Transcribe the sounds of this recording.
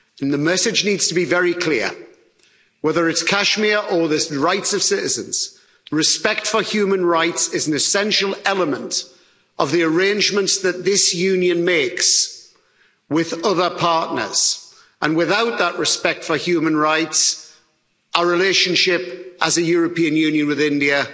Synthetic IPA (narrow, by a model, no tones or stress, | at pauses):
nðəmɛsɪd͡ʒniːdz̥tʰəbivɛɹikʰl̥ɪə | wɛðə˞ɪtskʰaʃmiəʔəðɪsɹaɪtsəv̥sɪtɪzə̰̃nz̥ | ɹɪspɛk̚tfəhjʉːmə̃nɹaɪtsɪzə̃n̩ɨsɛ̃nʃəlˠɛlˠəmə̃nt | əvðiəɹẽɪ̃nd͡ʒmə̃ntsðət̪̚ðɪsjʉ̃njə̃nmeɪks | wɪðʌðə˞pʰɑˑʔⁿnə̰z̥ | ʔə̃nwɪðaʊʔðəʔɹɪspɛk̚tfəhjʉːmə̃nɹaɪts | əəɹɪleʃə̃nʃɪpʔəzəjɔːɹəpĩə̃njʉ̃ːnjə̃nwɪðɪ̃ndiə